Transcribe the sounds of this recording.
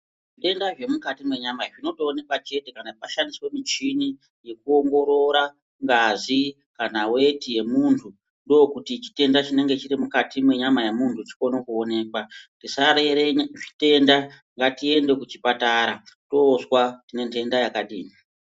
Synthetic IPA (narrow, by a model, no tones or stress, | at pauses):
ʐite̞ndaʐe̞mukatimwe̞ɲamaʐino̞toːne̞kwat͡ʃe̞te̞kanapaʃandiswemit͡ʃini | je̞k̚uo̞ŋɡo̞ɾo̞ɾa | ŋɡazi | kanawe̞tije̞muntʰu | ndo̞kutit͡ʃi̥te̞ndat͡ʃine̞ŋɡe̞t͡ʃiɾimukatimwe̞ɲamajemuntʰut͡ʃi̥ko̞nokuone̞ːkwatisaɾe̞ɾeʐite̞nda | ŋɡatie̞nde̞kut͡ʃipataɾato̞swatine̞ntʰe̞ndajakaɗiːni